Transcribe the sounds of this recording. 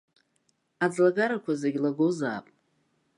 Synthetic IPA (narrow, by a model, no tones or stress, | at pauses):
ad͡zlaɡaɾakʷʰazeɡʲlaɡozaːpʼ